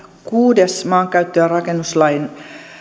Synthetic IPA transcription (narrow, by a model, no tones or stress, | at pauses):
kuːdesmɑːŋkæɥt̪ːøːrɑkenːuslɑjn